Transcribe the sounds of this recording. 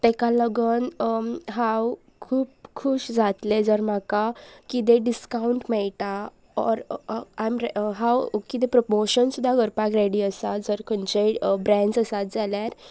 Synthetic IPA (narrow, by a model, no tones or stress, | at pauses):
t̪ekaləɡənɦaw | kʰuːp̚kʰuɕd͡zʱat̪led͡zəɾmakakid̪eɖiskauɳʈmɛɭʈ̪a | ɔ̰ɾamɾɦãwkid̪ẽpɾɔpoɾɕənsud̪ʱːaɡʱəɾpakɾeɽiəsad͡zəɾkʰənt͡ɕebɾɛ̃ɳd͡zəsat̪̚d͡zaljaɾ